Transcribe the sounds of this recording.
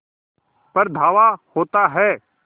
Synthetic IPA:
pɐɾd̪ʱaːʋahoːt̪aɦɛː

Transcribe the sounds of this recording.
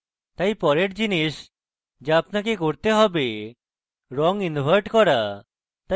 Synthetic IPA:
t̪ajpɔɾeʈd͡ʒinis | d͡ʒeapnakekoɾt̪eɦɔbe | ɾɔŋinbʱaɾʈkɔɾa | t̪a

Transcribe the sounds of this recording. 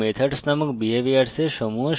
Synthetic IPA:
met̪ʰəʈsnaməkbieʋiaʈseʃəmuɦəʃ

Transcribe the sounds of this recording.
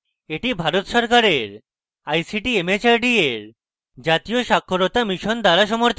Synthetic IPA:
eʈibʱaɾot̪ʃɔɾkaɾeɾ | ajsiʈiemet͡ɕaɾɖieɾ | d͡ʑat̪ijoʃakʰːoɾot̪amiʃond̪aɾaʃɔmoɾt̪ʰ

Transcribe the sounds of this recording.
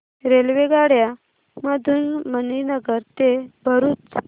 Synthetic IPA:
ɾelʋeɡaɽja | məd̪ʱuːnməninəɡəɾt̪ebʱəɾuːt͡s

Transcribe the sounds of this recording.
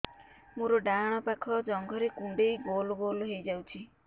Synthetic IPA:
muɾɔɖaɽ̃ɔpakʰɔd͡ʒɔŋɡʱɔɾekũɳɖejɡolɔbolɦejd͡ʒawt͡ʃʰi

